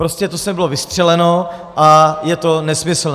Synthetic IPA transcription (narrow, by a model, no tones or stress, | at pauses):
ɾoscɛt̪osmɛbɪlovɪst̪r̥ɛlɛnoʔajɛt̪o̞nɛsmɪsl̩n